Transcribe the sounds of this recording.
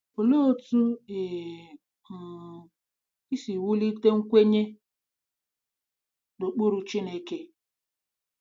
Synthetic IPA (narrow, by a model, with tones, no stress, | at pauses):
o˨lo˦tu˦e˨ | i˦si˨wu˦li˦te˦ŋ̩˦kʷe˦ɲe˦ | do˨k͡po˦ɾu˨t͡ʃi˦ne˦ke˦